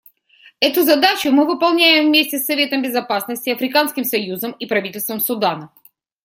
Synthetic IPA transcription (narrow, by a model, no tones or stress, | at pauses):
ɛt̪ʊzɐd̪at͡ɕʊmɨvɨpɐlˠnʲæjɪmvmʲesʲtʲɪsːɐvʲe̞t̪əmbʲɪzɐpasnəsʲtʲɪɐfɾʲɪkanskʲɪmsɐjuzəmipɾɐvʲitʲɪlʲst̪vəmsʊd̪anə